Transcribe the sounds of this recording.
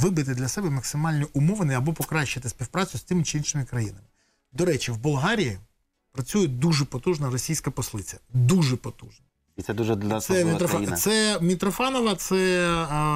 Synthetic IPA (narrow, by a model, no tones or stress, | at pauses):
ʋɪbɪt̪ɪd̪lʲɐsɛbɛmɐksɪmɑlʲnʲiʔʊmɔʋenɪɐbɔpɔkɾɑʃɐt̪ɪsʲpʲiwpɾɑt͡sʲʊsʲt̪ɪmɪt͡ʃɪinʃɪmɪkɾɐjinɐmɪ | d̪ɔɾɛt͡ʃiwbʊlˠɦɑɾʲiji | pɾɐt͡sʲujɛd̪uʒɛpɔt̪uʒnɐrɔsʲijsʲkɐpɔslˠɪt͡sʲɐd̪uʒɛpɔt̪uʒnɐ | iɛd̪uʒɛsɛmʲit̪ɾɔsɛmʲit̪ɾɔfɑnɔʋɐt̪sɛ